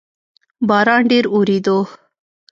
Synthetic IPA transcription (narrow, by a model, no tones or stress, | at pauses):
bɑːɾɑɳɖeɾuɾid̪o